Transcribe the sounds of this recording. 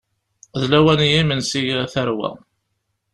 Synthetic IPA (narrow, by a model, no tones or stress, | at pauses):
ðlæwænijimənsijθəɾwæ̰